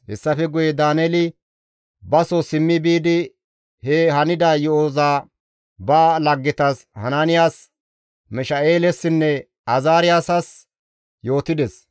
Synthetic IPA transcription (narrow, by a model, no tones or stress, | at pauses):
hɛsːɐfɛɡʊjɛd̪aːnɛlɪ | bɐsɔsɪmːɪbiːd̪ɪ | hɛhɐnɪd̪aːjɔoːzaː | baːlɐɡːɪt̪ɐs | hɐnanɪjaːs | mɪʃɐʔeːlɛsːɪnːɛ | ɐzaːɾɪjaːsɐs | jo̞ːt̪ɪd̪ɛs